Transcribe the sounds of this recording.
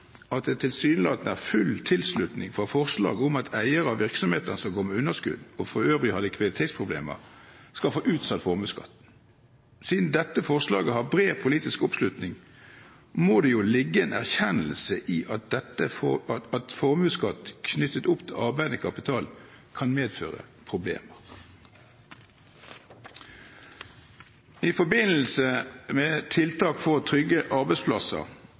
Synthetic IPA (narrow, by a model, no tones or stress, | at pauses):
ɑt̪̚d̪ɛt̪ʰɪlsyːnlɑːt̪n̩æʁfʉlt̪ʰɪlslʉt̪nɪŋfʁɑfɔʁslɑ̰ːɡəʊmɑt̪ʰæɪəɾəɑʋɪʁksɔmheːt̪ənəsɔmɡoːmɛʉnːəskʉ̰d̪ɔfʁɔøːvʁɪhɑːd̪ɪkʰʋɑd̪ɪt̪ʰeːt̪spʰʁʊblḛːmə̰ʁskɑlfoːʔʉːt̪sɑt̪fɔʁmʉːskɑ̰t̪ː | siːd̪nd̪ɛt̪ːəfɔʁslɑ̰ːɡəɦɑʁbʁeːpʰʊliːt̪ɪskʊpslʉt̪nɪŋ | moːd̪ɛjʊlɪɡːəeːnæʁçɛnəl̩səʔiːʔɑt̪̚d̪ɛt̪əɑt̪fɔʁmʉːskɑt̪kʰnʏt̪ət̪ʊpt̪ʰɪlʔɑʁbæɪd̪əkʰɑpɪt̪ʰɑːlkʰɑnmeːd̪fø̰ːʁə̰pʰʁʊblḛːməʁ | ɪfɔbɪnl̩səmeːt̪ʰɪlt̪ʰɑːkfɔʁt̪ʰʁʏɡːəʔɑʁbæɪspʰlɑsə̰ʁ